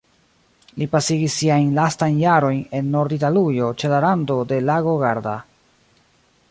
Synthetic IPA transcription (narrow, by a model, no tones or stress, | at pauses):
lipasiɡisːiajnlastajnjaɾo̞jne̞nːo̞ɾditalujo̞t͡ʃe̞laɾando̞de̞laɡo̞ɡaɾda̰